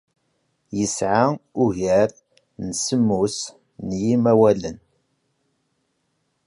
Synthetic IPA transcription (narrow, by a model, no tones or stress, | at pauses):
jəsʕaʊʝəɾ | nsəmːus | njimæwælən